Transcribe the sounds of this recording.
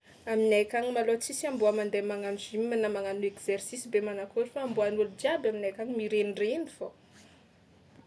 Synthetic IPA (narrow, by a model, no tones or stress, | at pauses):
aminajkʲaŋimalot͡sisiambuamand̪emaŋanizimimanamaŋanuekz̥ersisibemanakoɾifaːmbuanulud͡ʒiabaminajkaɲimiɾenirenifo